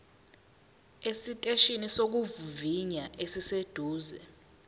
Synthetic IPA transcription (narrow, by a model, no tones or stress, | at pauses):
esitʼeʃinisok̬uvuviɲaʔesised̥ʱuːzɛ